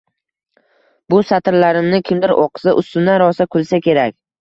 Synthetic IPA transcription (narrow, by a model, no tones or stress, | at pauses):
bʊsat̪ʰɪɾlaɾɪmnɪkʲʰɪmd̪ɪɾoqsaʔʊst̪ʊnːaɾɒsakʲʰʊlˠsakʲe̞ɾakʲ